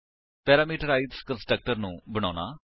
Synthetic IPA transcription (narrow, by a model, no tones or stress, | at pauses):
pɛːɾaːmiːʈəɾaːidskənsʈɾək̚ʈəɾnũːbəɽ̃aːna̰ː